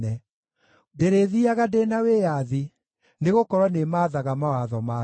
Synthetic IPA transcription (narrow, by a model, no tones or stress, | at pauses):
ɛ | deɾeðiaɣadenaweːjaði | neɣokɔɾwanemaːðaɣamawaðɔma